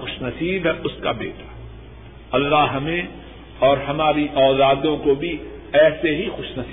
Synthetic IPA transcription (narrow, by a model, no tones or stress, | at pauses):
ʊʃnɐsiːbɦɛʔʊska̰bḛːʈḁ | ɐlːaɦɦɐmẽ | ɔːɾɦɐmaːɾiʔɔːlaːd̪õkobʱi | ɛːseɦixʊʃnɐs